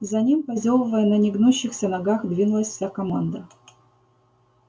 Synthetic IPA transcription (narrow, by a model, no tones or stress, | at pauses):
zɐnʲimpɐzʲolˠəvəjənɐnʲiɡnuɕːɪxsʲənɐɡaxd̪vʲinʊlˠəsʲfsʲakɐmɑnd̪ə